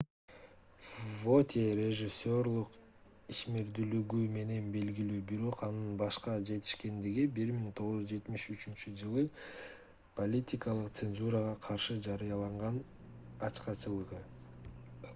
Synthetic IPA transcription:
vo̞t̪ʲeɾʲe̞ʒisʲːo̞rlˠuq | iʃme̞ɾd̪ylyɡyme̞ne̞nbe̞lɡilyːbiɾo̞qɑnɯnbɑʃqɑd͡ʒe̞t̪i̥ʃke̞nd̪iɡibiɾmiŋt̪ʰo̞ʁuzzd͡ʒe̞t̪miʃyt͡ʃynt͡ʃyd͡ʒɯlˠɯ | pʰolʲitʲikɑlˠɯq̚t̪senzuɾəʁɑqʰɑɾʃɯd͡ʒɑɾɯjɑlˠɑɴʁɑn | ɑt͡ʃqɑt͡ʃɯlˠɯʁɯ

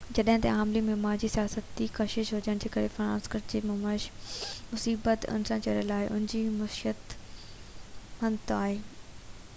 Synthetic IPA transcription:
d͡ʑɐɗɦɪ̃t̪ɐ̰aːmlimẽmãːnd͡ʑiːsijaːsət̪̚d͡ʑikɐʃɪʃɦʊd͡ʑəɽ̃d͡ʑeːkɐɾefɾãːnskəɾd͡ʑeːmʊmaɪʃmʊsiːbət̪ʊ̰nsãt͡ɕɐɾəlaːɪʔʊ̰nɪ̃d͡ʑiːmʊsʃiət̪ | hɐnt̪aːɦeː

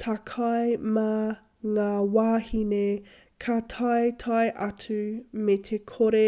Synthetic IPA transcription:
tʰakʰɐjma | ŋaːwaːhine | kʰɐtʰɐjtʰɐjʔɐtʉmet̪ʰekʰoɾe

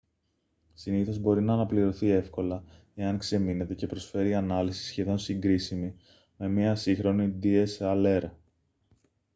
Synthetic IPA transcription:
siniθo̞zbo̞ɾinɐːnɐpliɾo̞θie̞fko̞lɐ | e̞ɐŋkse̞mine̞t̪e̞ce̞pɾo̞sfe̞ɾiɐnɐlisi̥sçe̞ðo̞nsiŋɡɾisimi | me̞mɲiɐsixɾo̞nid̪ie̞sɐleɾɐ

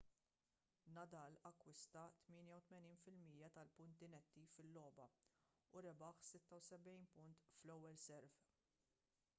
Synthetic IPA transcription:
nɐd̪ɐːlɐkːwɪst̪ɐt̪mɪːnjɐwt̪mɛniːnfɪlmiːjɐt̪ɐlpʊnt̪ɪnɛt̪ːifɪlːɔːbɐ | ʊɾɛbɐħsɪt̪ːɐwsɛbɛjnpʊnt̪flɛwːɛlsɛɾv

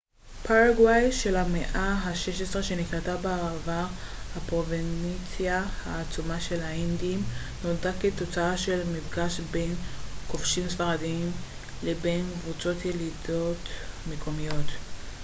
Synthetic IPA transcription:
paʁaɡwajʃe̞lameʔaɦaʃeʃesʁeʃe̞nikʁat̪abeaʁava | hapʁo̞venit͡sjahaːt͡sumaʃe̞lhaindiim | nodaket̪o̞t͡saaʃe̞lmifɡaʃbe̞nko̞fʃimsfaʁadiim | lebenkvut͡so̞t̪ʰjelido̞tmekʰo̞mijo̞t̪

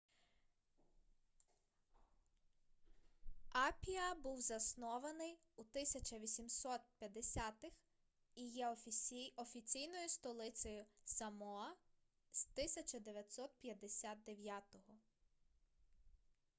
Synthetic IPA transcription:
ɑpʲiɐbuwzɐsnɔʋɐnɪj | ut̪ɪsʲɐt͡ʃɐʋʲisʲimsɔt̪̚pʲjɐd̪esʲat̪ɪx | ijɛɔɔfʲit͡sʲijnɔjʊst̪ɔlˠɪt͡sʲɔjʊsɐmɔɐ | z̥t̪ɪsʲɐt͡ʃɐd̪eʋʲjɐt̪ʲsɔt̪̚pʲjɐd̪esʲat̪̚d̪eʋʲjat̪ɔɦɔ

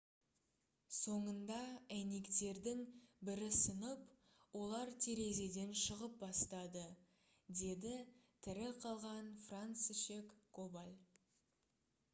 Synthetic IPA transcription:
so̞ɴənd̪ɑæne̞kt̪e̞ɾd̪ɪŋbɪɾɪsənəp | wo̞lˠɑɾt̪ʰe̞ɾe̞ze̞d̪e̞nʃəʁəp̚bɑst̪ɑd̪ə | d̪e̞d̪ɪt̪ʰɪɾɪqʰɑlˠʁɑnfrant̪siʃe̞kʰːobalʲ

